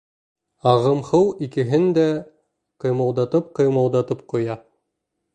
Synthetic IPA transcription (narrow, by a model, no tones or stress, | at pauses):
ɑʁɤ̆mhɤwikɘ̆ɦɘnd̪æ | qɤ̆jmɑwˠd̪ɑt̪ɤp̚qɤ̆jmɑwˠd̪ɑt̪ɤp̚qŭjɑ